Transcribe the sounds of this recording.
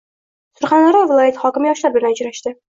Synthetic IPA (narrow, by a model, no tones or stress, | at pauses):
sʊɾχand̪aɾɒvɪlˠɒjat̪hɒkʲɪmɪjɒʃlapjɪɾnaʊd͡ʒɾaʃt̪ɪ